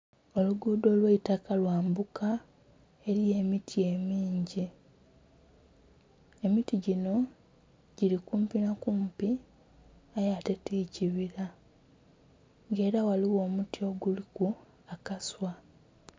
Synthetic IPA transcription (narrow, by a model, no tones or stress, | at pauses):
o̞luɡuːdo̞ːlweitakalwaːmbukʰa | e̞ɾie̞ːmitʰie̞miːɲɟi | e̞mitiɟino̞ | ɟilikuːmpinakuːmpi | ajate̞tiːciβiɾa | ŋɡe̞ːɾawaliwo̞ːmutio̞ɡuliku | akaswa